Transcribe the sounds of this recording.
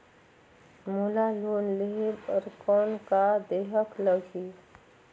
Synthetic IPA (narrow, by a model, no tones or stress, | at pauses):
mulaloːnleɦiməɾkɔːnkad̪eːɦəkləɡʱi